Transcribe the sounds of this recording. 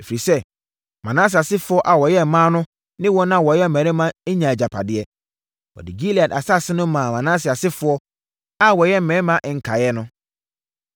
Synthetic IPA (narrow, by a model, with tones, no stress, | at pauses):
e˨fi˨ɾi˨sɛ˦ | mã̰˨nãː˦s̬ɪ˨a˨sɪ˦fʊ˦ɔ˦ʔa˨wɔ˨jɛ˦˨mãː˦nʊ̃˦ | nɪ̃˦wɔ˦nã˦wɔ˨jɛ˦m̩˨mæ̃˨ɾɪ̃˦mã˦e˦ɲã˨d͡ʑa˨pʰa˨dɪ˦ɛ˦ | wɔ̰˨dɪ˨ɡi˦li˨a˨da˨sa˦˨sɪ˦nʊ̃˦mãː˨mã˨nã˦sɪ˨a˨sɪ˦fʊ˨˦ɔ˦ | a˦wɔ˨jɛ˦m̩˨mɛ̃ː˨˦mã˦ʔɛ˨ŋ̩˨kʰa˨jɛ˦nʊ̃˦